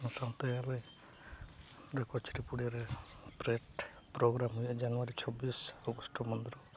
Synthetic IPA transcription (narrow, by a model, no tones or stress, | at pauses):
sãnt̪eale | ɾekɔt͡ʃʰɾipuɽiaɾepɾeʈ | pɾɔɡɾamɦujad͡ʒanɔwaɾit͡ʃʰɔbisɔɡɔsʈɔmɔnd̪ɾɔ